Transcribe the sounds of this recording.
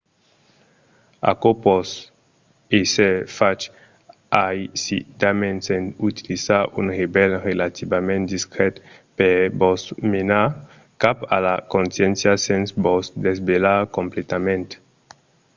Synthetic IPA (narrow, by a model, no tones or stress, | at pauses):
a̰kopɔs | esɛfat͡ʃ | ajsḭd̪amɛ̃nsɛ̃nut̪ilizaʔṵnʁebɛlʁelat̪ibamɛ̃nt̪̚d̪iskɾɛt̪pɛbɔsmena | kapa̰lakõnsjɛnsjasɛ̃nsbɔsd̪ezbelakõmplet̪amɛ̃nt̪